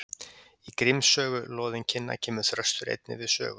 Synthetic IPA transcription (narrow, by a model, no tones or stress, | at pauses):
ikɾɪmsœːɣʏloːðɪncʰɪnːa̰cʰɛːmʏθɾœst̪ʏɾḛjt̪nɪ̰vɪðsœ̰ːɣʏ